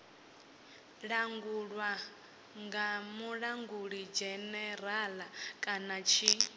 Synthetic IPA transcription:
ɺaŋɡuɺwa | ŋɡamuɺaŋɡuɺid͡ʒɛnɛɾalakʼanat͡ʃʰi

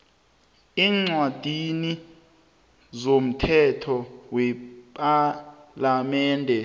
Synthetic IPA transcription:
iːŋ͡ǀwad̥ʱini | zom̩tʰɛtʰɔwɛpʼalamɛːndʱɛ

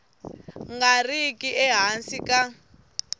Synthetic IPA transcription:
ŋɡarikʼiʔɛɦansikʼa

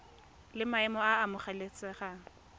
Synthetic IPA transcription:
lɪmaɛmɔaːmʊχalet͡sʼɛχa

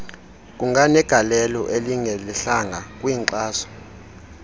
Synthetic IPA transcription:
k̬ʼuŋɡʱanɛɡ̥ʱalɛlɔʔeliŋɛliɬaŋɡʱakʼwiːŋǃaːsɔ̥

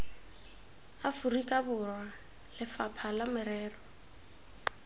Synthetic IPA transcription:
afurikʼabʊrwa | lɪfapʰalamɪɾɛːrɔ

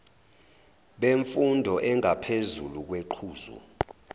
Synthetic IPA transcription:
ɓeɱfundʱɔʔɛŋʱapʰezuluk̬weǃʰuːzṵ

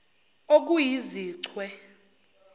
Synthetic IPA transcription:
ok̬ujiziːǀʰwɛ

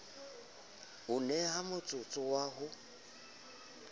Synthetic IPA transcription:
ʊnɛɦamʊt͡sʼʊt͡sʼʊwaɦʊ

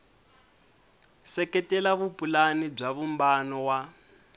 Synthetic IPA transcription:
sɛkɛtɛlaβupʼulanib͡ʐaβumbanɔwa

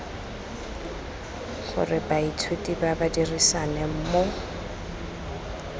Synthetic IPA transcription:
χʊ̰rɪbaitʰwetʼibabadirisanɛm̩ːmo

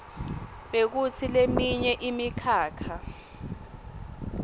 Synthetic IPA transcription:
ɓek̬utʰilemiɲɛʔimikʰaːkʰa

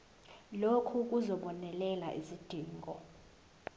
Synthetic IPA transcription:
lokʰuk̬uzɔɓɔnɛlɛlaʔizid̥ʱiːŋɡʱɔ

